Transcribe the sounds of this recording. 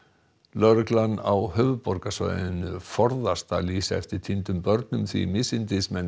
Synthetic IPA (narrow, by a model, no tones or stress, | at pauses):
lœɾʏklanawhœːvʏpɔɾkasvœ̰ːnʏfɔɾðast̪aliːsaɛ̰ft̪ɪɾ̥t̪ʰint̪ʏmpœɾt̪nʏmθvḭmɪsɪnt̪ɪsmɛn